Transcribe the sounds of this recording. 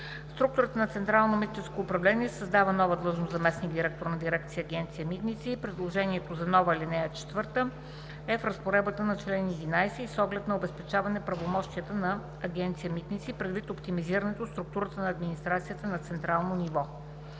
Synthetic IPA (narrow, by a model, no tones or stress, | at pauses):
st̪ɾuk̚t̪ʊɾət̪ənɐt̪sɛnt̪ɾalˠnomit̪ʲt͡ʃɛskoːpɾɐvlɛnʲiɛsəzd̪avənɔvəd̪lˠɤʒnozɐmɛsniɡd̪iɾɛk̚t̪oɾnɐd̪iɾɛk̚t̪sijəːɡʲɛnt̪sijəmit̪nit̪sipɾɛd̪lˠoʒɛniɛt̪ozɐnɔvəilinɛjət͡ʃɛ̥t̪vɤɾt̪ə | ɛfɾəspoɾɛbət̪ənɐt͡ʃlɛnid̪inajsɛisɔɡlɛt̪nɐobɛspɛt͡ʃavɐnɛpɾɐvomɔʃt̪iət̪ənɐː | ɡʲɛnt̪sijəmit̪nit̪sipɾɛd̪vit̪opt̪imiziɾɐnɛt̪ost̪ɾuk̚t̪uɾət̪ənɐːd̪minist̪ɾat̪sijət̪ənɐt̪sɛnt̪ɾalˠnonivɔ